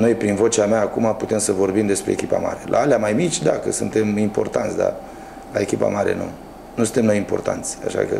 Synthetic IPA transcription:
no̞jpɾinvo̞t͡ʃeameaːkumaput̪e̞msəvo̞rbimd̪e̞spɾe̞ːkʲipa̰ma̰ɾelʔa̰aleamajmit͡ʃʲd̪akəsɨnt̪emimpo̞̰rt̪ant̪sʲd̪a̰ | laekʲipa̰maɾe̞̰nṵ | nusɨnt̪e̞mnojimpo̞̰rt̪a̰nt̪sʲa̰ʃa̰kə̰

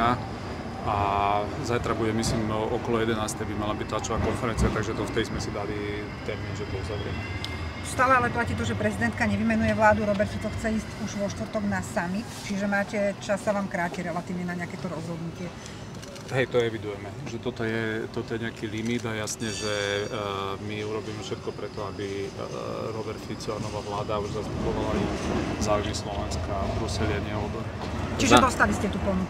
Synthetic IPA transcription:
a | a | zajt̪ɾabuɟɛmisimʔɔkɔlɔjɛd̪ɛnaːst̪ɛjbimalabiɟ̚t̪lat͡ʃɔʋaːkɔnfɛɾɛnt͡siat̪aɡʒɛt̪ɔft̪ɛd̪izmɛsid̪ali | t̪ɛɾmiːnʒɛt̪ɔuzaʋɾɪɛ̰mɛ | st̪aːlɛalɛplaciːt̪ɔʒɛpɾɛzid̪ɛnt̪̚kaɲɛʋimɛnujɛʋlaːd̪uɾɔbɛɾt̪ɔt͡sɔxt͡sɛiːscuʒʋɔʃt̪ʋɾ̩t̪ɔɡnasamit̪t͡ʃiʒɛmaːcɛt͡ʃasːaʋaːmkɾaːcɛɾɛlat̪iːʊɲɛnaɲɪakɛt̪ɔɾɔzɦɔd̪nucɪɛ | ɦɛjt̪ɔɛʋid̪ujɛmɛʒɛt̪ɔt̪ɔjɛt̪ɔt̪ɔjɛɲɛakilimid̪ajasɲɛʒɛ | miuɾɔbiːmɛfʃɛt̪kɔpɾɛt̪ɔabi | ɾɔbɛɾt̪fit͡sɔanɔʋaʋlaːd̪auʒzazbuɡɔʋalauzaːujmislɔʋɛnskabɾusɛlɪaɲɛɔbɔɾ | t͡ʃiʒɛd̪ɔst̪aliscɛt̪uːpɔnuk

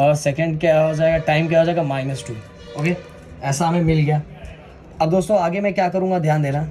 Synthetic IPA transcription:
ɔːɾsɛkə̃ɳɖkaɦod͡ʒaːeɡaʈaːɪmk̬jɦoːd͡ʒaːeːɡamaːɪnəsʈɾi | oːkeː | ɛːsaɦɐmẽmɪlɡɐjaː | ɐb̚d̪oːst̪õaːɡemɛ̃kjaːkɐɾũːŋɡad̪ʱjaːnd̪eːnaː

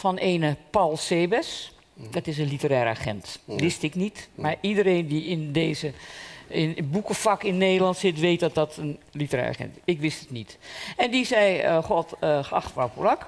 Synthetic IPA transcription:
fɔneːnəpɔlˠseːbəs | d̥ɔtɪs̬ənlitəɾɛːɾəaxɛ̰ntʋɪstɪknitmaɹidəɾeːndiɪndeːzəɪnbukəfakɪnːeːdəlˠɑntsɪtʋeːt̚dɔt̚dɔtʰənlitərɛ̰ːa̰xɛ̰ntɪkʋɪstətnitɛndizɛjəxɔtəxəɑ̰xtʋapolak

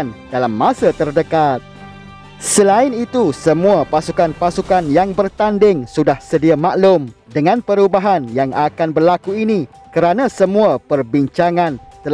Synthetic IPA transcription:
nd̥alamːãsat̪ərdəkat̪̚ | səlaɪnit̪usəmũapasukanpasukanjaŋbərt̪andɪŋsudahsədiamaʔlʊmdəŋãnpəɾubaɦanjaŋakanbərlakuini | kəɾanãsəmũapərbiɲt͡ʃaŋãnt̪əl

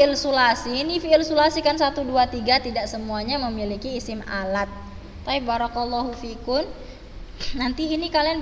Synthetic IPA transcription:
ɪlsulasinifiːlsulasikansat̪uduat̪iɡat̪idaʔsəmuaɲaməmilikiːsɪma̰lat̪̚ː | aj̚baɾɔklːɔɦufikʊm | nant̪iːnikalian

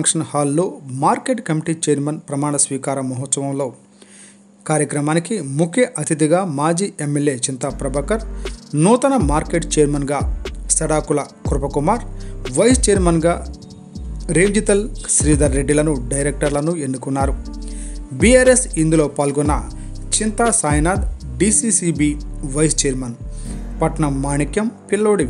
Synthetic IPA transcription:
ŋkʂɐnhaːlːo̞ːmaːɾkeːʈkɐmiʈiːt͡ʃeːɾmɐnpɾɐmaːɳɐsʋiːkaːɾɐmɔɦɔt̪sɐʋɐmlo̞ː | kaːɾjɐkɾɐmaːnikimukʰjɐʔɐt̪ʰid̪iɡaːmaːd͡ʒiːemːelje̞ːt͡ʃint̪apɾɐbɐkɐɾnuːt̪ɐnɐmaːɾke̞ːʈt͡ʃeːɾmɐnɡaːsɐɽaːkulɐ | kuɾpɐkumaːɾʋɐjst͡ʃeːɾmɐnɡaː | ɾeːɲd͡ʒit̪ɐlsɾiːd̪ɐɾːeɖːilɐnuɖɐjɾek̚ʈɐɾlɐnue̞nːukunːaːɾu | biaːɾesind̪ulo̞ːpaːlɡɔnːɐ | t͡ʃint̪aːsaːjnaːd̪ɖiːsiːsiːbiːʋɐjst͡ʃeːɾmɐnpɐʈɳɐmːaːɳikjɐmpilːoːɽi

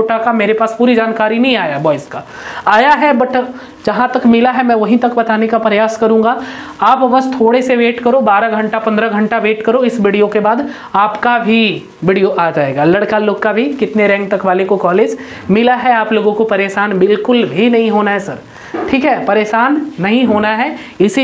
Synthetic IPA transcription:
oʈakameːɾepaːspuːɾid͡ʒaːnkaːɾinɐɦĩaːjabɔːɪska | aːjaɦɛbɐʈʰ | d͡ʒɐɦãt̪ɐkmɪlaɦɛmɛ̃ːʋɐɦĩt̪ɐkbɐt̪aːnekapɾɐjaːskɐɾũːŋ̆ɡa | aːpʋɐst̪ʰoːɽeseʋeːʈkɐɾobaːɾaɡʱɐ̃ɳʈapɐ̃nd̪ɾəɡʱɐ̃ɳʈaʋeːʈkɐɾoɪsʋiɽijokebaːd̪ | aːpkabʱi | ʋɪːɽijoʔaːd͡ʒaːeːɡaːlɐɽkaloːɡkabʱikɪt̪neɾɛ̃ːŋɡ̚t̪ɐkʋaːlekokɔːleːd͡ʒ | mɪlaɦɛaːploːɡõkopɐɾeːʃaːnbɪlkʊlbʱinɐɦĩɦoːnaɦɛsɐɾ | ʈʰiːkɦɛpɐɾeːʃaːnːɐɦĩɦoːnaɦɛ | ɪsi

